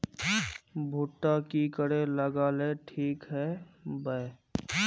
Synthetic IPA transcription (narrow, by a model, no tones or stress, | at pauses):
bʱuʈːakikəɽeləɡaːleʈʰiːkɦɛːbə